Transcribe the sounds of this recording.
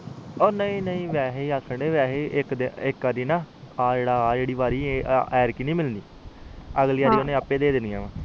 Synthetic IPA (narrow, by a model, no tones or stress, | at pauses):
oːnəĩːnəĩːʋɛːɦeiːakʰːəɳɖeːʋɛːɦeːʔɪkd̪ɪkəɾiːnãːaːd͡ʒeːɽaːd͡ʒeːɽiːʋaːɾiːeɛːɾkiːnĩːmɪlnd̪iː | əɡliːaːɾiːonẽːəpːeːd̪eːd̪ɪnd̪ijãːʋãː